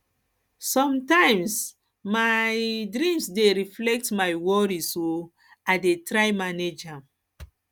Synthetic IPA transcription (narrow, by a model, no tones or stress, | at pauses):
sɔ̃mtãjms | majdɹĩmsdeɾiflɛk̚tmajwɔɾiso | adetɾajmaned͡ʒãm